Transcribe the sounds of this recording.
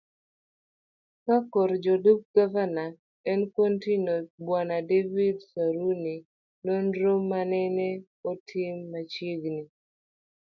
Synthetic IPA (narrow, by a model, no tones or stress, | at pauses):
kakɔɾd͡ʒoduk̚ɡavana | ɛnkontinobwanadevidsaɾuni | nonɾomanɛnɛ | otʰɪmːat͡ʃiɡni